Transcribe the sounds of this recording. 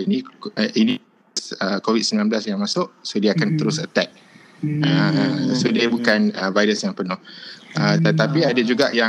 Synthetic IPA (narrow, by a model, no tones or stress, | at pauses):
iniʔini | səkovid̪̚səmbilanblasjaŋmasʊʔsodiaːkant̪əɾʊsət̪at̚ | əsodiabukanəvajɾəsjaŋpənʊhət̪ət̪apiadad͡ʒuɡaʔja